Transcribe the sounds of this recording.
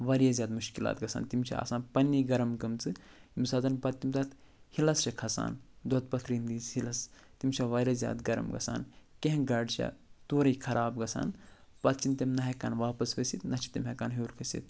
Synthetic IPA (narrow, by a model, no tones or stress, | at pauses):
ʋɐɾjazʲjaːd̪muʃkila̰ːt̪̚ɡɐsʰa̰ːnt̪imt͡ʃʰɐ̰a̰ːsaːnpɐnːiɡɐɾɐmkɐmt͡sɨ | imsaːzɐnpɐt̪t̪ːimt̪ɐːt̪ | hilɐst͡ʃɐkʰɐsa̰ːnd̪oɐt̪̚pɐt̪ʰɾiːnd̪iːt͡shilɐst̪imt͡ʃʰɐʋɐɾʲazʲja̰ːd̪ɡɐɾɐ̰mɡɐ̰sa̰ːnkẽɡɐɖt͡ʃʰɐ̰t̪oːɾɐjkʰɐɾʔaːbɡɐsa̰ːnpɐt̪t͡ʃʰint̪emnɐɦɐkaːnʋaːpɐsʋɐsit̪nɐt͡ʃʰi̥t̪imɦɐkaːnɦuːɾkʰɐsḭt̪̚